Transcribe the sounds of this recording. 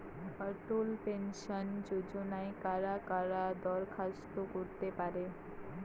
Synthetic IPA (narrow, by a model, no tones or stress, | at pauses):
bəʈulpensʌnd͡ʒud͡ʒonajkaɾakaɾad̪ɔɾkʰast̪okuɾt̪epaɾe